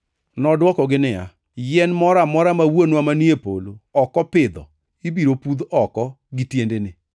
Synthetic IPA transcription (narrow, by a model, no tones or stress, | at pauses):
nɔdwɔkɔɡɪnɪa̰ | jɛnmɔɾamɔɾamawonwamaniepoloɔkɔpɪd̪ɔ̰ | ibiɾopud̪ɔkɔ | ɡɪtjendenɪ